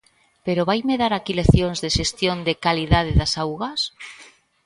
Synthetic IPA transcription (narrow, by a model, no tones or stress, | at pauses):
peɾoβajmeðaɾakileθjoŋzðeʃest̪jond̪ekaliðaðɪðasawɣas